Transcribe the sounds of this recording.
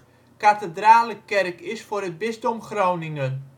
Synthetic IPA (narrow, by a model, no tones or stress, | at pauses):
katədraːləkɛrkɪsfʊːrət̚bɪzdɔmχroːwnɪŋən